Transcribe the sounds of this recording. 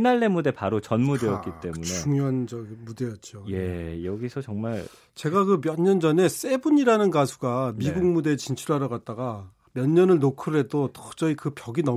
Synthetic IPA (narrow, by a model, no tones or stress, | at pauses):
inaɭːe̞mude̞paɾot͡ɕʌnmude̞jʌt̚k͈it͈e̞muneuŋand͡ʑʌɡimude̞jʌt̚t͡ɕ͈oje̞jʌɡisʰʌt͡ɕʌŋmaɭ | t͡ɕe̞ɡakɯmjʌɲːʌnd͡ʑʌne̞s͈e̞buɲiɾanɯnɡasʰu̥ɡamiɡuŋmude̞ːt͡ɕint͡ɕʰuɾɦaɾʌɡat̚t͈aɡa | mjʌɲːʌnɯɭnokʰɯɾɯɾe̞dotʌ̥d͡ʑʌikɯpjʌɡinʌ